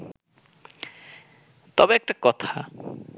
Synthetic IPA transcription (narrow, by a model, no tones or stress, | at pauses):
t̪ɔbeɛk̚ʈakɔt̪ʰa